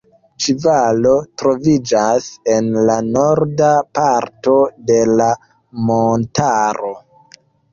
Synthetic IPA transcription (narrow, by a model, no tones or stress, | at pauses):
t͡ʃivalo̞tɾo̞vid͡ʒase̞nlanoɾdapaɾto̞de̞la | montaɾo